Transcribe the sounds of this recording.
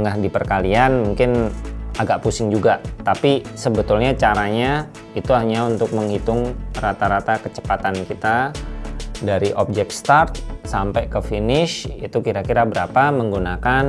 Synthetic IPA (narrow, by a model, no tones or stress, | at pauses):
ŋɡahdipərkalianmuŋkɪnaɡaʔpusɪŋd͡ʒuɡat̪apisəbət̪ʊlɲat͡ʃaɾaɲa | it̪uɦaɲaunt̪ʊk̚məŋhit̪ʊŋrat̪aɾat̪akət͡ʃə̥pat̪ankit̪a | daɾiʔop̚d͡ʒɛk̚t̪st̪art̪̚sampajkəfinɪʃit̪ukiɾakiɾabəɾapaməŋɡunakan